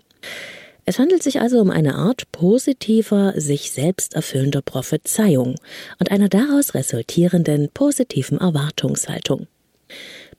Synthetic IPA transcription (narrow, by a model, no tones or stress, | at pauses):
ʔɛshandl̩tz̥ɪçʔa̰lzoʊmʔa̰ɪnə̰ʔa̰ːɐtpʰozitʰiːvɐzɪçz̥ɛlpstʔɛɐfʏləndɐpʁ̥ofət͡saɪʊŋʔʊntʔaɪnɐdaʁaʊsʁḛzʊltʰiːʁəndənpʰozitʰiːvn̩ʔɛɐvaɐtʰʊŋsha̰ltʰʊŋ